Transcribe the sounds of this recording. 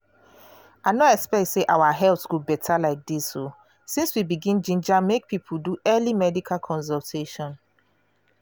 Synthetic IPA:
aɪnoɛkspɛk̚tseʔawaɦɛlθɡubɛtʰalaɪk̚diso | sĩnswibiɡĩnd͡ʒĩnd͡ʒãmmːek̚pʰipʰoduʔɜlimɛdikʰalkʰɔ̃ns̬ɔlˠtʰeʃɔ̃n

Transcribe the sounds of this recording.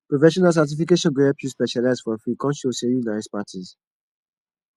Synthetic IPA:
pɹofɛʃɔnals̬at̬ifikeʃɔ̃nɡeɛpjuspɛʃalaɪsfɔ̃fɹikɔ̃nʃosɛjũnaɪspatʰiz

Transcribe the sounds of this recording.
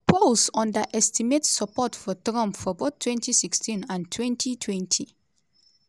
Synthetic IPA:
pʰolsɔ̃ndaʔɛstimetsɔpɔtfɔtɾɔ̃mpfɔboθtʰːwɛ̃ntʰisikstʰĩnãntʰwɛ̃ntʰitʰwɛ̃ntʰi

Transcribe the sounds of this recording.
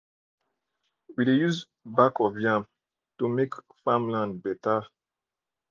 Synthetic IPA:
widejuz | bakɔvjãm | tumek | fãmlãnbɛta

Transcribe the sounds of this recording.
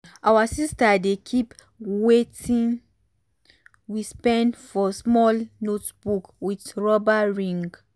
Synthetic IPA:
ʔawasistadekʰip | wetĩn | wispɛ̃ndfɔsmɔlnotbukwitɹɔbaɹĩŋɡ

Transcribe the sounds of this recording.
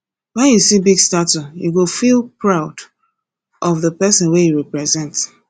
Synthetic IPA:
wajusibiɡstatujuɡofilˠpɹaʊd | ʔɔvðəpɛsɔ̃nwejuɹɛpɹɛzɛ̃nt

